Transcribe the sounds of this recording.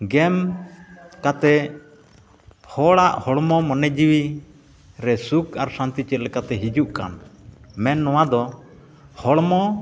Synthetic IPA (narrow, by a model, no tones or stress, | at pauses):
ɡɛm | kat̪ɛ | hɔɽaʔhɔɽmɔmɔnɛd͡ʒiwi | ɾɛsukaɾsãnt̪it͡ʃɛt̪̚lɛkat̪ɛɦid͡ʒuʔka̰nmɛnːɔwad̪ɔ | hɔɽmɔ